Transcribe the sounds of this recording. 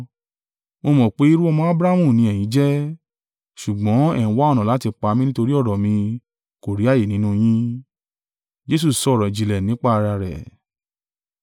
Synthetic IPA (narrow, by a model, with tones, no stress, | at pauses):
mo˧mɔ̃˨k͡pe˨˦i˦ɾu˦ɔ˧mɔ̃˦a˦bɾa˦mũ˦˨nĩ˨˧˦ɛ˨j̃ĩ˨˦d͡ʒɛ˦ | ʃu˨ɡ͡bɔ̃˨˦ɛ˦˨ũ˨˦wa˦ɔ˦˧ñɔ̃˨la˨˦ti˧k͡pa˧mĩ˦nĩ˦to˧ɾi˦ɔ˦˨ɾɔ˨mĩ˧ | ko˨ɾi˨˦a˦˨je˨nĩ˨˦nũ˦j̃ĩ˦ | d͡ʒe˦s̬u˦˨sɔ˧˦˨ɾɔ˨i˨d͡ʒi˨lɛ˨nĩ˨˦k͡pa˦˧ɾa˧ɾɛ̰˨